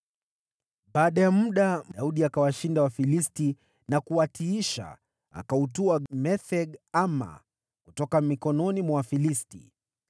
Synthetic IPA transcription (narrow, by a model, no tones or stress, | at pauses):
ɓaːɗajamuɗaauɗiakawaʃindawafilisti | nakuwatiiʃa̰ | a̰kautuamɛθɛɡama̰ | kutɔkamikɔnɔnimwaafilistḭ